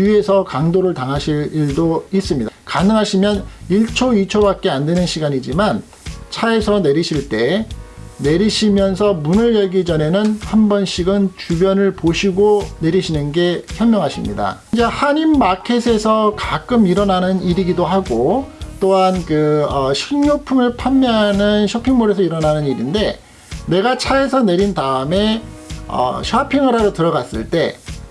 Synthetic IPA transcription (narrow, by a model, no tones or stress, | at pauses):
ie̞sʰʌkaŋdoɾɯɭtaŋɦaɕʰiɭiɭdois͈ɯmɲidakanɯŋɦaɕʰimjʌniɭt͡ɕʰoit͡ɕʰobak̚k͈e̞andwe̞nɯnɕʰiɡaɲid͡ʑiman | t͡ɕʰae̞sʰʌne̞ɾiɕʰiɭt͈e̞ː | e̞ɾiɕʰimjʌnsʰʌmunɯɭjʌɭɡid͡ʑʌne̞nɯnhambʌnɕʰiɡɯnt͡ɕubjʌnɯɭpoɕʰiɡone̞ɾiɕʰinɯnɡe̞çjʌɭmjʌŋɦaɕʰimɲḭda̰ | d͡ʑe̞haɲimːakʰe̞sʰe̞sʰʌkak͈ɯmiɾʌnanɯniɾiɡidoɦaɡot͈oɦankɯʌɕʰiŋɲopʰumɯɭpʰamːʌɦanɯnɕʰʌpʰiŋmoɾe̞sʰʌiɾʌnanɯniɾinde̞ | ne̞ɡat͡ɕʰaesʰʌne̞ɾintaɯme̞ʌ̰ɕʰapʰiŋɯɾadotɯɾʌɡas͈ɯɭt͈e̞